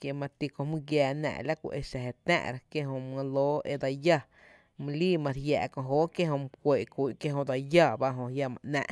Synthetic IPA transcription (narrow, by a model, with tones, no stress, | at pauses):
kje˧mã˧t̪i˧kõ˧mũ˦ɡjaː˧˨nã̰˧˨la˦kʷḭ˧ʔe˧ʃa˨ɦe˨t̪ã̰˦˨ʔɾa˧kje˦ɦõ˧m˧ã˧loː˦ḛ˧d̪a˧ja˦˨ | mũ˧liː˦mã˧ɾja̰ː˧˨kõ˧˨ɦoː˦kje˦hõ˧m˧kʷe˨kʷi˨kje˦ɦõ˧d̪a˧ja˦˧˨ba˧ɦõ˧hja˧mã̰˧˨ʔnã̰˧ʔ